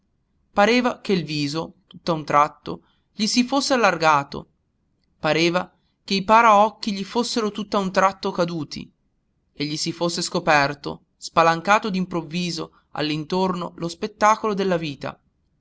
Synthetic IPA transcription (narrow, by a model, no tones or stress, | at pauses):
paɾeːvak̟eilviːzot̪ut̪ːaunt̪ɾat̪ːo̰ | ʎisifosːealːarɡaːt̪o̰ | paɾeːva | k̟eipaːɾaɔkːiʎifosːeɾot̪ut̪ːaunt̪ɾat̪ːokad̪uːt̪ʰḭ | eʎːisifosːeskopɛrt̪o̰ | spalaŋkaːt̪od̪impɾovːiːzo | a̰lːint̪ornolospet̪ːaːkolod̪elːaviːt̪a̰